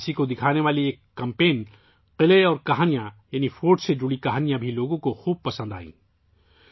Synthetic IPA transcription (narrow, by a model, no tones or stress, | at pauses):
sikod̪ɪkʰaːneʋaːlieːkːɐ̃mpeːn | qɪleɔːɾkɐɦaːnijãjaːnifoːʈsed͡ʒʊɽikɐɦaːnijãbʱiloːɡõkoxuːb̚pɐsə̃nd̪a̰ːḭ̃ː